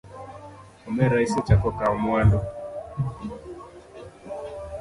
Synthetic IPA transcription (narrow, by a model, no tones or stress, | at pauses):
ɔmɛɾaisɔt͡ʃakɔkaɔmwandɔ